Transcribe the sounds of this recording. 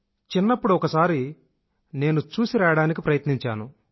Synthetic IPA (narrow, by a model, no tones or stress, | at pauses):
t͡ʃinːɐpːuɽuɔkɐsaːɾi | ne̞ːnut͡ʃuːsiɾaːjɐɽaːnik̬ipɾɐjɐt̪niɲt͡ʃaːnu